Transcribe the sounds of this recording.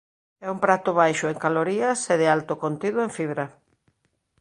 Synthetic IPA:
ɛumpɾat̪ʊβajʃʊeŋkaloɾiɐseðɪalt̪ʊkont̪iðʊeɱfiβ̞ɾa

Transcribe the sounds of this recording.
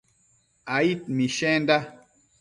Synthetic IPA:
ait̪̚miʃɛ̃nda

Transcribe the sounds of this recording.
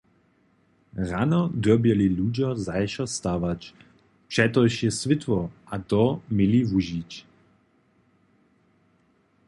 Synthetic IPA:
ranɔd̪ɔbjɛliluːd͡ʑɔzajʃɔst̪aːvat͡ɕ | pʂɛt̪ɔjʃɛsʋɪt̪wɔʔat̪ɔmilivuʒit͡ɕ

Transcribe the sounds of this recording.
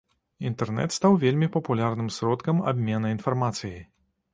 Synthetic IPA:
int̪ɛrnɛ̰t̪st̪awvʲelʲmʲipɐpulʲarnɨmsɾɔt̪kɐma̰bʲmʲɛnɐin̪farmat̪sɨji

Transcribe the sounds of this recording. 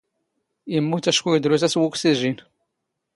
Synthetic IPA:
jəmːut̪æʃkujəd̪ɾuθæswuksiʒin

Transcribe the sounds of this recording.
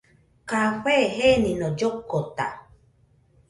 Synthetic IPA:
kahʷeɦenĩnɔ̃d͡ʒokːot̪a̰

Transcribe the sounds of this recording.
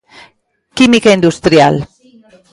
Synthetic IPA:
kimikaind̪ust̪ɾja̰l

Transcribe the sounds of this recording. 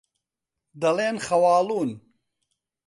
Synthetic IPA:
d̪ɐleːnχɐwaːluːn

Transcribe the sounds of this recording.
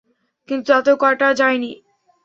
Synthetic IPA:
kint̪uat̪okɔʈad͡ʑajni

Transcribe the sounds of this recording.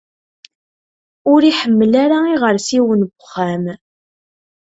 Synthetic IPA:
ʊɾiħəmːəlaɾaiʁəɾsiwənbəχːæm

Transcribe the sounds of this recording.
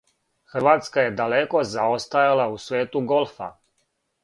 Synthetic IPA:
xr̩ʋaːt̪skajed̪aleko̞zaost̪ajalausʋeːt̪uɡo̞lˠfa̰

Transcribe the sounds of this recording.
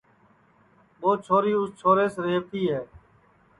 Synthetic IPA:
ɓoːt͡ʃʰoːɾiːʊst͡ʃʰoːɾeːsɾeːʋt̪iːɦɛː

